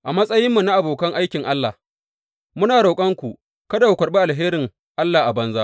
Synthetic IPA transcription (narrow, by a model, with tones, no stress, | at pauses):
ʔa˨mɐ˦sʼɐ˦jɪ˦mːu˨na˦ʔa˨boː˨kɐ˦ŋʔa˦jkʲɪ˨ŋʔa˦lːa˨ | mʊ˦naː˨ɽa˨kʼɐ˦ŋkʷu˨ʔ | kɐ˦da˨wu˨kʷɐ˨rɓe˦ʔa˨lɦeː˦ɾɪ˨ŋ | ʔa˦lːaː˨ʔa˨bɐ˦nzaː˦